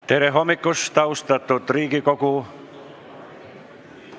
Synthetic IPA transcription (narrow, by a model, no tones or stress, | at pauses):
t̪eɾeɦomːikːost̪ɑwst̪ɑt̪ːut̪riːkikoku